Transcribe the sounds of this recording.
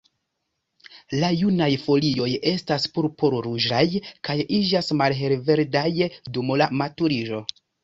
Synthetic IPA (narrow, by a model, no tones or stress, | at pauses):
lajunajfo̞lio̞je̞staspuɾpoɾɾud͡ʒajkajid͡ʒasmalɦe̞lve̞ɾdajdumolamatuɾiʒo̞